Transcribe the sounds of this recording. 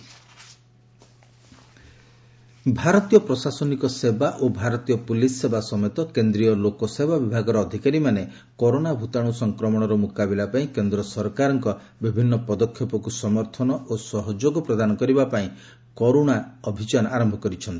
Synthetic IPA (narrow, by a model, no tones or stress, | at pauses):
bʱaɾɔt̪ijɔpɾɔsasɔnikɔsebaʔobʱaɾɔt̪ijɔpulisːebasɔmet̪ɔkend̪ɾijɔlokɔsebabibʱaɡɔɾɔːd̪ʱikaɾimane | kɔɾoɽ̃abʱut̪aɽ̃usɔŋkɾɔmɔɽ̃ɔɾɔmukabilapaĩkend̪ɾɔsɔɾkaɾɔŋkɔ | bibʱinːɔpɔd̪ɔkʰːjɔpɔkusɔmɔɾt̪ʰɔnɔʔosɔɦɔd͡ʒoɡɔpɾɔd̪anɔkɔɾibapaĩ | kɔɾoɽ̃aɔbʱit͡ʃanʔaɾɔmbʱɔkɔɾit͡ʃʰɔnt̪i̥